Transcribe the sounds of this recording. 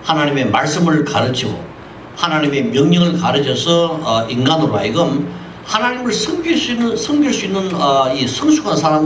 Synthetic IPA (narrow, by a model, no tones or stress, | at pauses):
hanaɲimemaɭs͈ɯmɯɭkaɾɯt͡ɕʰiɡo̰ | hanaɲime̞mjʌŋɲʌŋɯɭkaɾɯt͡ɕʰʌsʰʌʌinɡanɯɾaiɡɯm | hanaɲimɯɭsʰʌŋɡis͈uinːɯsʰʌŋɡiɭs͈uinːɯnʌisʰʌŋsʰuɡʰansʰaɾam